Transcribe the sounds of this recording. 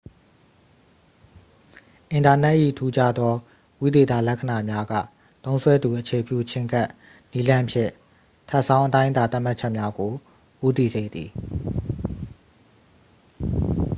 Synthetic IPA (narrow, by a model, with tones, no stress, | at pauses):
ʔɪ̃˨nta˨nɛ˦ʔḭ˦˨tʰu˦d͡ʑa˦d̪ðɔ˦ | wi˦d̪e˨t̪a̰˦˨lɛ˦ʔkʰə˨na˨mja˦ɡä̰˦˨ | t̪õ˦ʊ̃sʰwɛ˦d̪u˨ʔət͡ɕʰe˨pjṵ˦˨t͡ɕʰɪ̃˦ŋka˦ʔ | ni˦lã˦mpʰjɪ̰̃˦˨ | tʰa˦ʔsã˦ʊ̃ʔə˦tã˦ɪ̃nt̪a˨t̪a˦ʔm̥a˦ʔt͡ɕʰɛ˦ʔmja˦ɡo˨ | ʔu˦t̪̬i˦˨ze˨d̪ði˨